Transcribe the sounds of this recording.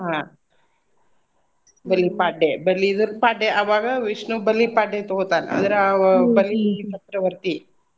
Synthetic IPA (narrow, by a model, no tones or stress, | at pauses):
ɦãː | bɐlːipaːɖebɐlːiːd̪ɐɾpaːɖeʔɐʋaːɡɐʋiʂnubɐlːipaːɖet̪oɦt̪aːnɐ̰d̪ɐɾbɐlːipɐt̪ɾɐʋɐɾt̪i